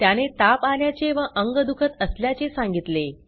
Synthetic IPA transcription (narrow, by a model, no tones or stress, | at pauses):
t̪janet̪apaljat͡ɕeʋəʔəŋɡəd̪ukʰət̪əsljat͡ɕesãŋɡit̪le